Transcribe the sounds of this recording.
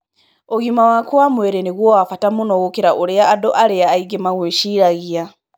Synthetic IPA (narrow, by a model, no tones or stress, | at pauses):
oɣimawakwamweɾeneɣwoafatamunoɣokeɾaʔoɾeaːdoʔaleaːiɡemaɣweʃiɾaɣia